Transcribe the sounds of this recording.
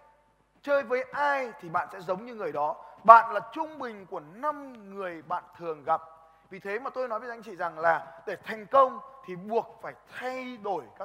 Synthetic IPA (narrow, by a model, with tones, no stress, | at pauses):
t͡ɕəː˧jvəː˨˦jʔaː˧jt̪ʰi˨˩ɓa̰ː˧˨nsɛ̰˧˥zə˨˦wŋ͡mɲɨ˧ŋɨ˨˩əjɗɔ˨˦ɓa̰ː˧˨nlaː˨˩t͡ɕʊ˧ŋ͡mɓï˨˩ŋ̟ku˧˩əna˧mŋɨ˨˩əjɓa̰ː˧˨nt̪ʰɨ˨˩əŋɣa˨˩p̚ | vi˨˩t̪ʰe˨˦maː˨˩t̪o˧jnɔ˨˦jvə˨˦jha˧˦ŋt͡ɕḭ˧˨za˨˩ŋlaː˨˩ɗe˧˩t̪ʰa˨˩jŋ̟kə˧wŋ͡mt̪ʰi˨˩ɓu˨˩ək̚faː˧˩jt̪ʰa˧jɗo˧˩jkaː˦˥